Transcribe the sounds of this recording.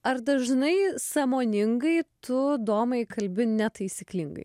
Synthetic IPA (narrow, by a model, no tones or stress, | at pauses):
ɐɾd̪ɐʒnɐɪsɑːmoːnʲɪŋɡɐɪt̪ʊd̪oːmɐɪkɐlʲbʲɪnʲɛt̪ɐɪsʲiklʲɪŋɡɐ̰ɪ